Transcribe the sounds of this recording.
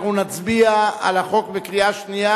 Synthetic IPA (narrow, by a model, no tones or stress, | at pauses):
unat͡sbiaa̰laχo̞kbekʁiaʃnija